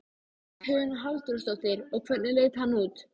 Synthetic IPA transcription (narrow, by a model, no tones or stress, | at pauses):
kʰʏːnɦalt̪ust̪ɔwt̪ɪɾɔɣkʰvɛt̪nɪleːjt̪hanːuːt̪